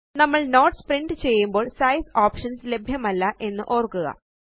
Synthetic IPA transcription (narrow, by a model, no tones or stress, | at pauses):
nɐmːɐɭno̞ːʈspriɳɖɨt͡ɕe̞jːumbo̞ːɭsɐjsoːpʂɐnsle̞bʱjɐmɐlːɐʔe̞nːɨʔoːrkːuɣɐ̰